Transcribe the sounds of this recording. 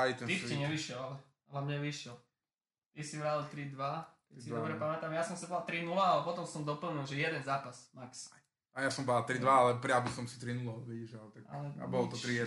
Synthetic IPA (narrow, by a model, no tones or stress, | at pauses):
ajt̪ɛiiɲɛʋiʃɪɛlalɛ | alɛmɲɛʋiʃɪɛl | t̪isiʋɾalt̪ɾid̪ʋa | ɛsid̪ɔbɾɛpamɛt̪amjasɔmsibalt̪ɾinulaalɛpɔt̪ɔmsɔmd̪ɔpl̩ɲilʒɛjɛd̪ɛnzaːpasmaks | ajasɔmbalt̪ɾid̪ʋaalɛpɾɪabusɔmsi̥t̪ɾinulaʋɛiʒalt̪aka̰lɛa̰bɔlɔt̪ɔt̪ɾiɛ